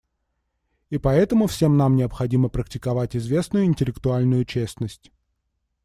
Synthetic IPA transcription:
ipɐɛt̪əmʊfsʲe̞mnamnʲɪəpxɐdʲiməpɾəktʲɪ̥kɐvatʲɪzvʲe̞snʊjʊɪnʲtʲɪlʲɪkt̪ʊalʲnʊjʊt͡ɕesnəsʲtʲ

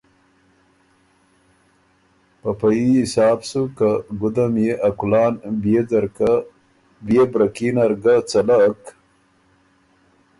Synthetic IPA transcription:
papajiɪsɑːbsukaɡʊd̪amjeʔakulɑːnbed̪ɾ | bjebɾakinaɾɡat͡salak

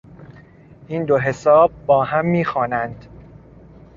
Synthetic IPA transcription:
ʔind̪oɦe̞sɒːb̚ːɒːɦæmːiːxɒːnænd̪̥

